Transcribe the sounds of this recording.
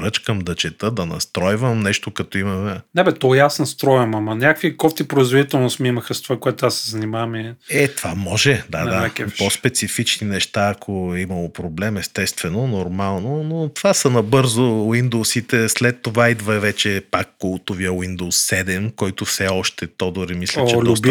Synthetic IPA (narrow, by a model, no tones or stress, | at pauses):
ɾət͡ʃkəmd̪ɐt͡ʃɛt̪əd̪ɐnɐ̰st̪ɾɔjvəmnɛʃt̪okɐt̪ɔimɐmɛnɛbɛt̪ɔɛasnɐst̪ɾɔjvɐmɐmɐnʲakkvikɔft̪ipɾoizvod̪it̪ɛlˠnosmiimɐxɐst̪ovakoɛt̪ʊasːɛzɐnimavɐmiɛt̪v̥amɔʒɛd̪ad̪aakfpospɛt̪sifit͡ʃninɛʃt̪aɐkʰoimɐlˠopɾoblɛmɛst̪ɛst̪vɛnonoɾmalˠnonot̪v̥asɐnɐbɤɾzowind̪osit̪ɛslɛt̪ːovaid̪vəɛvɛt͡ʃɛpakːulˠt̪oviəwind̪oʊsːɛd̪ɛmkɔjt̪ʊfsɛɔʃt̪ɛt̪ɔd̪oɾimislʲɛt͡ʃɛtlʲɔʊs